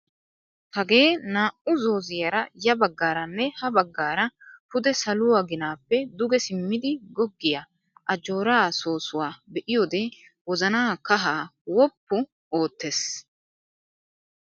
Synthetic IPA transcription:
hɐɡe̞ːnaːʔʊzo̞ːzɪjɐɾɐjɐbɐɡːaːɾɐnːɛhɐbɐɡːaːɾɐpʊd̪ɛsɐlʊwɐɡɪnaːpːɛd̪ʊɡɛsɪmːɪd̪ɪɡɔɡːɪjɐ | ʔɐd͡ʒo̞ːɾaːso̞ːsʊwaːbɛʔɪjoːd̪e | wɔzɐnaːkɐɦaːwɔpːʊ | o̞ːt̪ːes

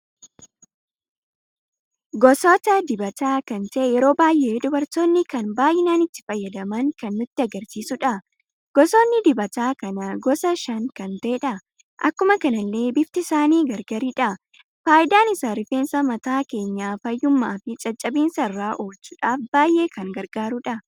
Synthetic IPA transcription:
ɡɔsoːt̪ɐd̪ɪbɐt̪aːkɐnt̪ɐʔejɛɾo̞ːbaːjʔːe̞ːd̪ʊbɐɾt̪o̞ːnːɪkɐnbaːjʔɪnaːnɪt̪ːɪ̥fɐjːɐd̪ɐmɐŋkɐnːʊt̪ːɪɐɡɐɾsiːsʊᶑɐ | ɡ̥ɔso̞ːnːɪd̪ɪbɐt̪aːkɐnɐɡɔsɐʃɐŋkɐnt̪ɐʔɛᶑɐ | ʔɐkːʊmɐkɐnɐlːe̞ːbɪft̪ɪsaːniːɡɐɾɡɐɾiᶑɐ | faːʔɪd̪aːnɪsaːɾɪfeːnsɐmɐt̪aːke̞ːɲːaːfɐjːʊmːaːfɪt͡ʃʼɐt͡ʃʼːɐbiːnsɐɪrːaːʔoːlt͡ʃːʊᶑaːfb̥aːjʔe̞ːkɐŋɡɐɾɡaːɾʊᶑɐ

